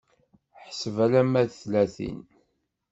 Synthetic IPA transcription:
ħsəvælæmæðθlæθḭn

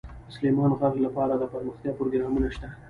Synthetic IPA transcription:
ʊslemɑnɣaɣlapɑɾad̪əpaɾməxt̪jɑpɾoɡɾɑmunaʃt̪a

